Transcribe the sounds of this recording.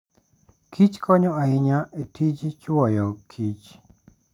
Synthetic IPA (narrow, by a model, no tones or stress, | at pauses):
kʰit͡ʃkʰɔɲɔaɪɲaetʰid͡ʒt͡ʃwɔjɔkʰit͡ʃ